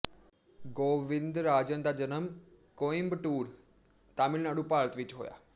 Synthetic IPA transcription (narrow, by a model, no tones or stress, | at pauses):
ɡoːʋɪnd̪ɾaːd͡ʒənd̪ad͡ʒənəm | koimbʈuːɾ | t̪aːmɪlnaɽupaːɾt̪ʋɪt͡ʃɦo̰ːja̰ː